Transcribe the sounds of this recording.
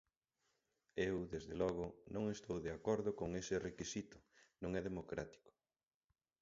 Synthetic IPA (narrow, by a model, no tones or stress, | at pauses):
ewðezðelɔɣ̞ʊnõŋest̪owðeakɔɾðʊkoŋesɪrekisit̪ʊ̥nõŋɛðemokɾa̰t̪i̥kʊ̥